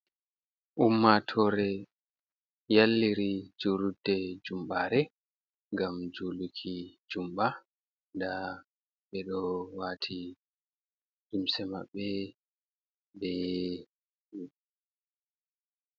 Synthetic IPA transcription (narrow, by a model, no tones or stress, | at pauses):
ʔumːatʰɔɾɛ | jalːiɾid͡ʒoludːɛd͡ʒumɓaːɾɛ | ŋɡamd͡ʒolukʰid͡ʒumɓa | nda | ɓɛɗɔwatʰi | ʔumsɛma̰ɓːɛ | bɛ | u